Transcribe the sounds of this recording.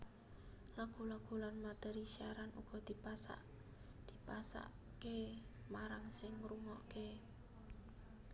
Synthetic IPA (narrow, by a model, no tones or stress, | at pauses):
laɡ̥ṳlaɡ̥ṳlanmat̪ɛɾisiaɾanṵɡ̥ɔ̤d̪̥i̤pasa̰ʔ | d̪̥i̤pasa̰ʔ | ke | maɾaŋsɪŋruŋɔʔke